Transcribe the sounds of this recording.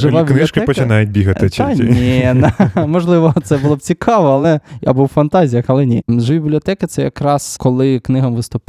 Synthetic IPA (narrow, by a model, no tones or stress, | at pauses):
ʒɪʋabʲbnɪʃkɪpɔt͡ʃɪnɑjʊt̚ʲbʲiɦɐt̪ɪt͡ʃɐnʲinɐmɔʒlˠɪʋɔt̪sɛbulˠɔb̚t͡sʲikʰɑʋɔɐlˠɛja̰buwfɐnt̪ɑzʲijɐxɐlˠɛnʲḭʒbʲibʲiblʲiɔt̪ɛkɪt̪sɛjɐkɾɑskɔlˠɪknɪɦɐmʋɪst̪ʊp